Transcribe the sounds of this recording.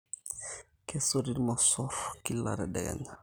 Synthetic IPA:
kɛsoɾiɾmasɔɾkilːa̰ɾɛ̰dɛ̰ɡɛ̰na

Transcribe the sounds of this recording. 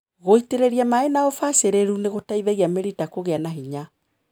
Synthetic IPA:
ɣoiteɾeɾiamaenaɔfaseɾeɾuneɣotaiðɛɣiameɾitakoɣeanaɦiɲa

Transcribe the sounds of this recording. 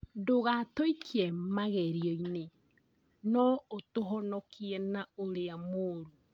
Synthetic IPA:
doɣatɔikʰiɛmaɣɛɾiɔine | nɔotoɦɔnɔkʰiɛnaoɾeamoːɾu

